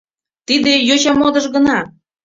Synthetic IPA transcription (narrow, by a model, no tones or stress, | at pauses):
t̪id̪ejot͡ɕɑmod̪ɤ̆ʒɡə̆nɑ